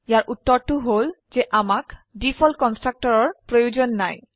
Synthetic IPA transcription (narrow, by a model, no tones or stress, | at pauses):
jaɾʔut̪ːoɾt̪uɦold͡ʑeʔamakɖifɔlkɔnsʈɾak̚ʈɔɾɔɹpɾojod͡ʑonːaj